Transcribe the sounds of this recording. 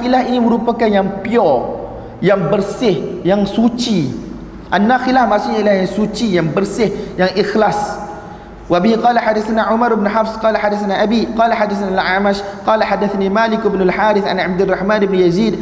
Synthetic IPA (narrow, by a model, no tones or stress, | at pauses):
ilahiniməɾupakanjaŋpiɔ | jaŋbərsɪhjaŋsut͡ʃi | ʔanːaxilahmaʔsʊʔɲailahjaŋsut͡ʃijaŋbərsɪhjaŋʔixlas | wabihɦiqɑːlaħadːaθanaʕumaɾbnuħafsqɑːlaħadaθanaʔabiqɑːlaħadːaθanalʕamaʃqɑːlaħadːaθaniːmaːlɪkɪbnʊlħaːɾɪθʔa̰nʕab̚d̪rˤɑħmaːnɪbnujaziːd̪̚